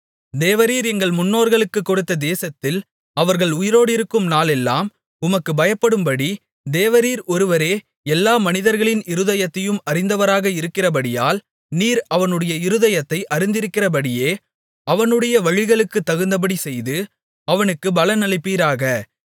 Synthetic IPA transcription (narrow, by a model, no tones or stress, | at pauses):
d̪eːʋɐɾiːɾɛŋɡɐɭmʊnːoːɾɣɐɭɯkːɯkːɔɽɯt̪ːɐd̪eːsɐt̪ːɪl | ɐʋɐɾɣɐɭʊjɪɾoːɽɪɾɯkːɯmnaːlɛlːaːm | ʊmɐkːɯbɐjɐpːɐɽɯmbɐɽi | d̪eːʋɐɾiːɾɔɾɯʋɐɾeː | ɛlːaːmɐnɪðɐɾɣɐɭɪnɪɾɯðɐjɐt̪ːɐjɯmɐrɪnd̪ɐʋɐɾaːɣɐɪɾɯkːɪrɐb̬ɐɽɪjaːl | niːɾɐʋɐnɯɽɐjɐɪɾɯðɐjɐt̪ːɐɪʔɐɾɪnd̪ɪɾɯkːɪrɐpɐɽɪjeː | ɐʋɐnɯɽɐjɐʋɐɻɪɣɐɭɯkːɯt̪ːɐɣɯnd̪ɐp̬ɐɽisɛjðɯ | ɐʋɐnɯkːɯbɐlɐnɐlɐɪpːiːɾaːɣɐ